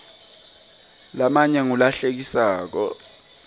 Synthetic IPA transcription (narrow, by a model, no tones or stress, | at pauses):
lamaɲɛŋulaɬek̬isaːk̬ɔ̰